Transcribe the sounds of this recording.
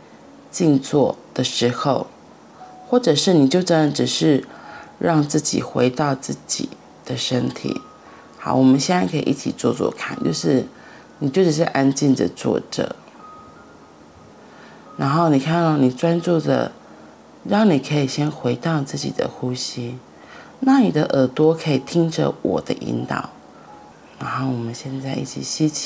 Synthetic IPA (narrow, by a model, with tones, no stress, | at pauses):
t͡ɕi˥˧nt͡swɔ˥˩d̪̥ə˨ʂɻ̩˧˥xo˥˧ʊ | xwɔ˥˩ʈ͡ʂɤ˨˩ʂɻ̩˥˩ni˨˩t͡ɕjo˥˩ʊʈ͡ʂə˥nə˧˩ʈ͡ʂɻ̩˨˩ʂɻ̩˥˧ɻɑ˥˧ŋt͡sɹ̩˥˩t͡ɕḭ˨˩xwe˧˥ɪt̪ɑ˥˧ʊt͡sɹ̩˥˩t͡ɕḭ˨˩ | d̪̥ə˨ʂə˥nt̪ʰḭ˨˩˦ | xɑ˨˩˦ʊwɔ˨˩mə˦nɕjɛ˥na˥˩ɪkʰḭ˨ʔi˥˩t͡ɕʰḭ˨˩t͡swɔ˥˧t͡swɔ̰˥˧kʰa̰˥˩˨nt͡ɕjo̰˥˧ʊʂɻ̩˥˩ | ni˨˩t͡ɕjo˥˩ʊʈ͡ʂɻ̩˨˩ʂ̬ɻ̩˥˩ʔa˥nt͡ɕi˥˩nd̪ə̰˨˩t͡swɔ̰˥˩ʈ͡ʂɤ̰˨˩ | ɻa˧˥nxo˥˩ʊni˨˩kʰa˥˧n˥ɑ˥˩ʊni˨˩t͡swa˥nt͡su˥˩də̰˩ | ɻɑ˥˩ŋni˨˩kʰə˧˥i˨˩ɕjɛ˥nxwe˧˥ɪt̪ɑ˥˧ʊt͡sɹ̩˥˩t͡ɕḭ˨˩d̪ə̰˦xu˥ɕi˥ | na˥˩ni˨˩d̪ə˦ʔə˧˥t̪wɔ˥kʰɤ˧˥i˨˩t̪ʰi˥ŋʈ͡ʂə̰˨wɔ̰˨˩d̪ə˦ʔḭ˧˥nt̪ɑ̰˨˩˦ʊ | na˧˥nxo˥˩ʊwɔ˨˩mə˦nɕjɛ˥˧nt͡sa˥˧ɪʔḭ˥˩t͡ɕʰḭ˨˩ɕi˥t͡ɕʰ